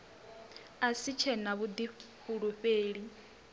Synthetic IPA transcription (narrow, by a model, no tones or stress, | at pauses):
asit͡ʃʰɛnaβud̪iɸuɺuɸeːɺi